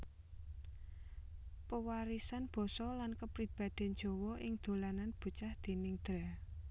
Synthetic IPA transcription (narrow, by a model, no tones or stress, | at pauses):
pəwaɾisanb̥ɔ̤sɔlankəpɾib̥ä̤d̪̥ɛ̤n̥d͡ʒ̥o̤wɔʔɪŋd̪̥o̤lananb̥ṳt͡ʃahd̪̥e̤nɪŋd̪̥ɾɛ